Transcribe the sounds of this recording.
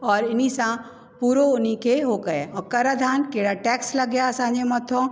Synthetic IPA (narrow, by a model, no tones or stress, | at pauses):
ɔːɾɪnisã | puːɾoʊnikʰeːɦokɐeɔːkɐɾəd̪ʱaːnkeɦɽaʈɛːkslɐɡjaɐsãːɲd͡ʑemɐt̪ʰõ